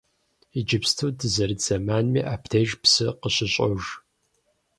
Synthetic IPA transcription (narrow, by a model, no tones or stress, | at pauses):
id͡ʒɪpstʰudɨzɐrɨd͡zɐmaːnmiːʔaːptʰeːʒpsɨqəɕɪɕʼɐʒ